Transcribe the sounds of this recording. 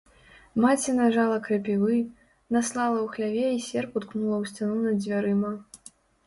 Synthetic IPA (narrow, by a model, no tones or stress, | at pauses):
mat͡sʲɛnaʐalˠɐkɾɐpʲivɨ | naslˠalˠɐwxlʲavʲɛisʲɛrput̪knulˠɐwsʲt͡sʲanunɐd͡zʲvʲaɾɨmɐ